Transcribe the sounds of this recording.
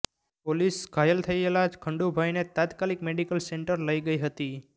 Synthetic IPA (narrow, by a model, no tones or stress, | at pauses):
polisɡʱajəlt̪ʰəielad͡ʒkʰəɳɖubʱajnet̪at̪kalikmeɖikəlseɳʈəɾləiɡəiɦət̪i